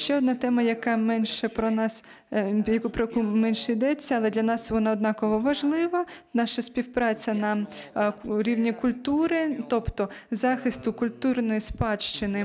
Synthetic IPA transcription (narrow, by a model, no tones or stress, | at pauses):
ʃt͡ʃɛɔd̪nɑt̪ɛmɐjɐkɑmɛnʃɛpɾɔnɑs | jɐkupɾɔkumɛnʃɛid̪ɛt͡sʲːɐɐlˠɛd̪lʲɐnɑsʋɔnɑɔd̪̚nɑkɔʋɔʋɐʒlˠɪʋɐnɑʃɐsʲpʲiwpɾɑt͡sʲɐnɐ | ɾʲiwnʲikʊlʲt̪uɾɪt̪ɔpt̪ɔzɑxɪst̪ʊkʊlʲt̪urnɔjispɑʃt͡ʃɪnɪ